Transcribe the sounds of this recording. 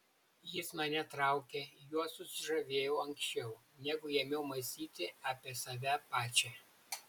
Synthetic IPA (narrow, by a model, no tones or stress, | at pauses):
jɪsmɐnʲɛt̪ɾɑˑʊkʲejuɔsʊsʲɪʒɐʋʲeːjɛʊɐŋʲksʲt͡ʃʲɛʊ | nʲɛɡʊjɛmʲɛʊmɐsʲiːt̪ʲɪɑːpʲiɛsɐʋʲæpɑːt͡ʃʲɛ